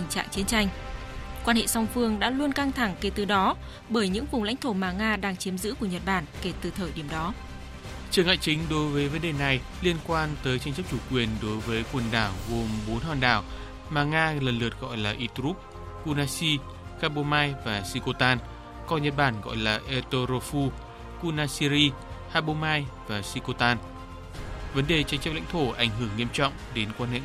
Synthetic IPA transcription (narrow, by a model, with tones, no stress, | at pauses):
t̪ï˨˩ŋ̟t͡ɕa̰ː˧˨ŋt͡ɕi˨˦nt͡ɕa˧jŋ̟ | kwaː˧nhḛ˧˨sa˧wŋ͡mfɨ˧əŋɗa̰ː˧˥lu˧ənka˧ŋt̪ʰa˧˩ŋke˧˩t̪ɨ˨˩ɗɔ˨˦ | ɓəː˧˩jɲɨ̰˧˥ŋvʊ˨˩ŋ͡mla̰˧˥jŋ̟t̪ʰo˧˩maː˨˩ŋaː˧ɗaː˧ŋt͡ɕi˨˦əmzɨ̰˧˥ku˧˩əɲə˨˩t̚ɓaː˧˩nke˧˩t̪ɨ˨˩t̪ʰəː˨˩jɗi˧˩əmɗɔ˨˦ | t͡ɕɨ˨˩əŋa̰ː˧˨jt͡ɕï˨˦ŋ̟ɗo˨˦jvəː˨˦jvə˨˦nɗe˨˩na˨˩j | li˧ənkwaː˧nt̪əː˨˦jt͡ɕa˧ŋt͡ɕə˦˥p̚t͡ɕu˧˩kwi˨˩ənɗo˨˦jvəː˨˦jkwə˨˩nɗaː˧˩wɣo˨˩mɓo˨˦nhaː˧˩nɗaː˧˩w | maː˨˩ŋaː˧lə˨˩nlɨ˨˩ət̚ɣɔ̰˧˨jlaː˨˩ʔi˧t̪ɾu˦˥p̚ | ku˧naː˧si˧ | xaː˧ɓo˧maː˧jvaː˨˩si˧ko˧t̪aː˧n | kɔ˧nɲə˨˩t̚ɓaː˧˩nɣɔ̰˧˨jlaː˨˩ʔe˧t̪o˧ɾo˧fu˧ | ku˧naː˧si˧ɾi˧ | haː˧ɓo˧maː˧jvaː˨˩si˧ko˧t̪aː˧n | və˨˦nɗe˨˩t͡ɕa˧ŋ̟t͡ɕə˦˥p̚la̰˧˥ŋt̪ʰo˧˩ʔa˧˩jŋ̟ɦɨ˧˩əŋːi˧əmt͡ɕɔ̰˧˨wŋ͡mɗe˨˦nkwaː˧nhḛ˧˨